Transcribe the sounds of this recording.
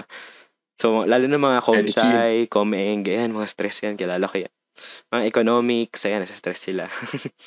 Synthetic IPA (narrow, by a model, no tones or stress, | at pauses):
somɐlaːlʊnɐmɐŋakomsajkomɛŋɡɐjanmɐŋast̪ɾɛsjankɪlaːlɐkɐja | mɐŋaʔɛkonoːmɪksɐjanɐsɐst̪ɾɛsːɪla